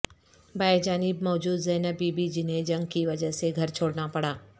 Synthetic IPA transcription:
baːed͡ʒaːnɪbmɔːd͡ʒuːd̪zɐːnəbiːbid͡ʒɪnɦẽd͡ʒɐ̃ŋɡ̚kiʋɐd͡ʒəɦseɡʱɐɾt͡ʃʰoːɽnapɐɽaː

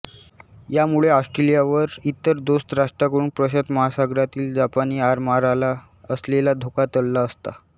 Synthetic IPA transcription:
jamuɭeasʈɾelijaʋəɾit̪ːəɾd̪ost̪ɾaʂʈɾakəɾuːnpɾəɕət̪məɦasaɡɾat̪iːld͡ʑapaniːaɾmaɾala | əslelad̪ʱokat̪əlːaəst̪a

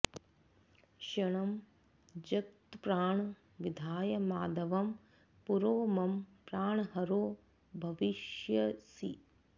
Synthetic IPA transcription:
ʃɐɳɐm | d͡ʒɐk̚t̪pɾaːɳ | ʋid̪ʱaːjɐmaːd̪ɐʋɐm | puɾoːmɐmpɾaːɳɐɦɐɾoː | bʱɐʋiʃjɐsi

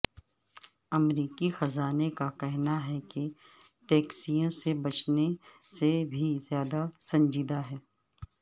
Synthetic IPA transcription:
ɐmɾiːkixɐzaːnekakɛɦnaɦɛke | ʈɛːksijõsebɐt͡ʃne | sebʱizjaːd̪asɐ̃nd͡ʒiːd̪aɦɛː

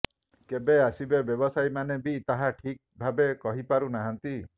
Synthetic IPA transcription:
kebeasibebjɔbɔsajmanebit̪aɦaʈʰik̚bʱabekɔɦipaɾunaɦant̪i

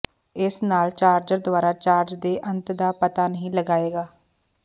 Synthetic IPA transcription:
ɪsnaːlt͡ʃaːɾd͡ʒəɾd̪ʊaːɾaːt͡ʃaːɾd͡ʒd̪eːʔənt̪d̪aːpət̪aːnəɦĩːləɡaːeːɡaː

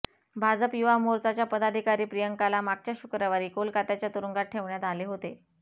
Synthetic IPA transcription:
bʱad͡zəpjuʋamoɾt͡sat͡ɕjapəd̪ad̪ʱikaɾiːpɾijəŋkalamak̚t͡ɕjaɕukɾaʋaɾiːkolkat̪jat͡ɕjat̪uɾəŋɡat̚ʈʰːeʋɳjat̪aleɦot̪e

